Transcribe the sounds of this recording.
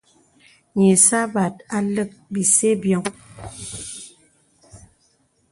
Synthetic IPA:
ɲe˨sa˦ba˨t̚a˨lə˦˨k̚bi˨se˦bjɔ˨ŋ

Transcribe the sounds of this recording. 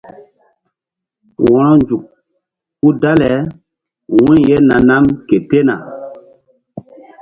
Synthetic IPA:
wɔ̃˨ɾɔ˦nd͡ʒu˨k̚ | ku˦da˦lɛ˨˦ | wũ˦je˦na˨na˦mke˨te˦na̰˨

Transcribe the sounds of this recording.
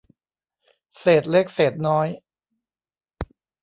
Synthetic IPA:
seː˨˩t̪̚le˦˥k̚seː˨˩t̪̚nɔː˦˥j

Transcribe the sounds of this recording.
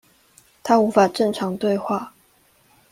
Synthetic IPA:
t̪ʰa˥u˧˥fa˨˩ʈ͡ʂɤ˥˩ŋʈ͡ʂʰɑ˧˥ŋt̪we˥˧ɪxwa˥˩

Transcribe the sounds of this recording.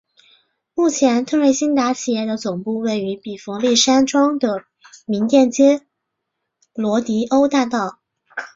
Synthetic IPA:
mu˥˩t͡ɕʰjɛ˧˥nt̪ʰɤ˥˧ŋwe˥˩ɪɕi˥nt̪a˧˥t͡ɕʰi˨˩jɛ˥˩d̪ə˩t͡sʊ˨˩ŋpu˥˧we˥˩ɪy˧˥pi˨˩fɤ˧˥ŋli˥˩ʂa˥nʈ͡ʂwɑ˥ŋd̪ə˨ | mi˧˥nt̪jɛ˥˩nt͡ɕjɛ˥ | lwɔ˧˥t̪i˧˥ʔo˥ʊt̪a˥˧t̪ɑ˥˩ʊ

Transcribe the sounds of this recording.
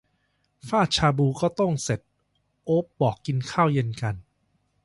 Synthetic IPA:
faː˥˩t̪̚t͡ɕʰaː˧buː˧kɔː˥˩t̪ɔ˥˩ŋse˨˩t̪̚ | ʔoː˦˥p̚bɔː˨˩kːi˧nkʰaː˥˩wje˧nka˧n

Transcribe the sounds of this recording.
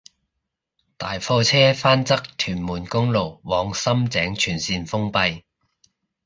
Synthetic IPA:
t̪aː˨jfɔː˧t͡sʰɛː˥faː˥nt͡sɐ˥k̚t̪ʰyː˨˩nmuː˨˩nkʊ˥ŋlo˨˩wwɔː˨˧ŋsɐ˥mt͡sɛː˨˥ŋt͡ʃʰyː˨˩nsiː˧nfʊ˥ŋpɐ˧j

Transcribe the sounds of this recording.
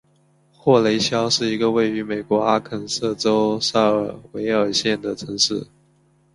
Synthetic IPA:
xwɔ˥˩le˧˥ɪɕjɑ˥ʊʂɻ̩˥˩i˧˥ɡə˧we˥˩ɪy˧˥me˨˩ɪkwɔ˧˥a˥kʰə˨˩nsɤ˥˩ʈ͡ʂo˥ʊsa˥˩ə˞˨˩we˧˥ɪə˞˨˩ɕjɛ˥˩nd̪ə˩ʈ͡ʂʰɤ˧˥ŋʂɻ̩˥˩

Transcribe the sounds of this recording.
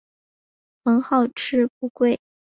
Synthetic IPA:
mɤ˧˥ŋxɑ˥˩ʊʈ͡ʂʰɻ̩˥p̚u˥˧kwe˥˩ɪ

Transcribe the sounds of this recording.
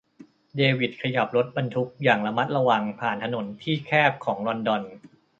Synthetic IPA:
deː˧wi˨˩t̪̚kʰa˧ja˨˩p̚ɾo˦˥t̪̚ba˧nt̪ʰu˦˥k̚jaː˨˩ŋla˧ma˦˥t̪̚ɾa˧wa˧ŋpʰaː˨˩nt̪ʰa˧no˩˦nt̪ʰiː˥˩kʰɛː˥˩p̚kʰɔː˩˦ŋlɔ˧ndɔ˧n

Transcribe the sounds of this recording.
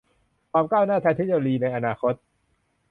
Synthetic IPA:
kʰaː˧mkaː˥˩wnaː˥˩t̪ʰa˧jt̪ʰi˦˥t̪̚joː˧ɾiː˧na˧jʔa˧naː˧xʰo˦˥t̪̚

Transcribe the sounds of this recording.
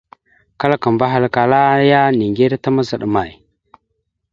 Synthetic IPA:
ka˦lka˨mba˦ɦa˨lka˨la˦ja˦ni˨ŋɡe˦ɾta˦ma˦za˨ɗma˨j

